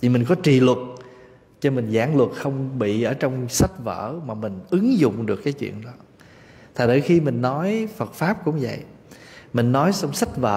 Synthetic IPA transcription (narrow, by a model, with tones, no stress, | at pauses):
t̪ʰi˨˩mi˨˩ŋ̟kɔ˨˦t͡ɕi˨˩˨lwə˨˩t̚ | t͡ɕɔ˧mi˨˩ŋzaː˧˩ŋlwə˨˩t̚xə˧wŋ͡mɓḭ˧˨ʔəː˧˩t͡ɕɔ˧wŋ͡msa˦˥t̚və̰ː˧˩maː˨˩mï˨˩ŋ̟ʔɨ˨˦ŋzʊ̰˧˨ŋ͡mɗɨ˨˩əkːaː˨˦jt͡ɕwḭ˧˨ənɗɔ˨˦ | t̪ʰaː˨˩ɗə˧˩jxi˧mï˨˩ŋ̟nɔ˨˦jfə˨˩t̚faː˦˥p̚kʊ̰˧˥ŋ͡mvə̰˧˨j | mï˨˩ŋ̟nɔ˨˦jsɔ˧wŋ͡msa˦˥t̚və̰ː˧